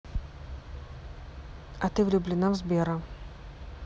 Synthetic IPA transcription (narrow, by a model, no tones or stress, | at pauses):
ɐt̪ɨvlʲʊblʲɪnamzbʲeɛɾɐ